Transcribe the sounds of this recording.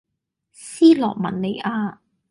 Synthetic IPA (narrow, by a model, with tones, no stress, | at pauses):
siː˥lɔ̰ː˨˩k̚mɐ̰˨nne˨˧jʔaː˧